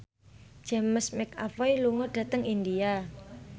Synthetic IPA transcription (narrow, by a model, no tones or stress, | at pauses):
d͡ʒ̥ɛ̤məsmɪka̰failuŋoɖ̥ä̤t̪əŋind̪ia